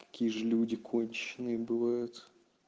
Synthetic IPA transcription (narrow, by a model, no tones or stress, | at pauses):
kɐ̥kʲijəʐɨlʲudʲɪkʰonʲt͡ɕɪnɨjəbɨvajʊt̪